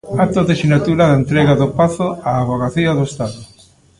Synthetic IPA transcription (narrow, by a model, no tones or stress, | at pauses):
at̪oðeʃinat̪uɾaðaent̪ɾɛɣaðopaθoaːβoɣaθiaðoest̪aðʊ